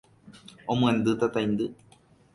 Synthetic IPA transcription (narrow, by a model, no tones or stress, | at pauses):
omũend̪ɨt̪at̪ajnd̪ɨ